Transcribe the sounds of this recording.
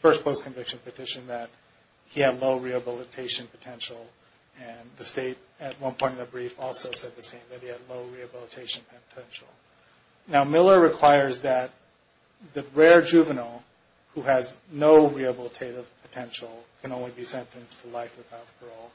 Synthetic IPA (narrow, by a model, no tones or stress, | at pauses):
fɜ˞spʰoʊskʰɨ̃ɱvɪkʃɨ̃npɨtʰɪʃɨ̃nðɨt̚ | hiɨdˡloʊɹiɨbɪlˠətʰeɪʃɨ̃npʰɨ̥tʰɛ̃nʃl̩ˠ | ɨ̃nðɨsteɪɾɨt̚wʌ̃npʰɔ̃ɪ̃ɾ̃tʌ̃ɨbɹifɔlˠsoʊsɛd̪̚ðɨsẽɪ̃mðɨt̚hiɨdˡloʊɹiɨbɪlˠətʰeɪʃɨ̃npʰtʰɛ̃nʃl̩ˠ | naʊmɪlˠə˞ɹɨkʰw̥aɪə˞zðɨt̪̚ | ðɨɹɛɹd͡ʒʉvɨnl̩ˠ | huɨznoʊɹiɨbɪlˠətʰeɪɾɨv̥pʰɨ̥tʰɛ̃nʃl̩ˠkʰɨ̃nõʊ̃nlibisɛ̃ntɨ̃nstʰəlaɪfɨðaʊtfə˞ɔlˠ